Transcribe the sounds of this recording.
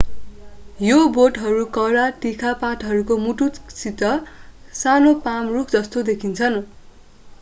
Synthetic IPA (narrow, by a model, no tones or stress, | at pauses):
joboʈɦʌɾukʌɾaʈikʰapaʈɦʌɾukomuʈut̪sit̪ʌsanopamrukʰd͡zʌst̪od̪ekʰint͡sʰʌn